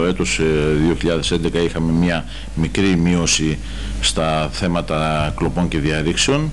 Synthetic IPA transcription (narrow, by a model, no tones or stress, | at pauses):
oe̞t̪o̞sðioçiʎɐðe̞se̞nd̪e̞kɐixɐme̞mɲɐ | mikɾimio̞si | st̪ɐθe̞mɐt̪ɐklo̞po̞ɲce̞ðiɐɾikseo̞n